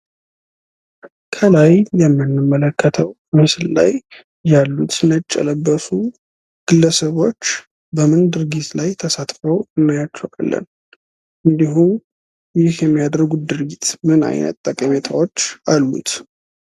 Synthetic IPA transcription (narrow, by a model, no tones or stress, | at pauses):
kʰəlajjɛmːɨnːɨmːələkʰːət̪ʰəw | mɨsɨlla̰j | jalːut̪nət͡ʃʼːə̰ləbːəsu | ɡ̥ɨlːəsəβo̞t͡ʃː | bəmɨnd̪ɨɾɡit̪lajt̪ʰəsat̪ʼfəwɨnːajat͡ʃːɛwʔa̰lːə̰n | ʔɨnd̪iɦu | jɪhjɛmːijad̪əɾɡud̪ɨɾɡit̪mɨna̰jnə̰t̪ːʼəkʼəmet̪ʰawo̞t͡ʃːʔalːṵt̪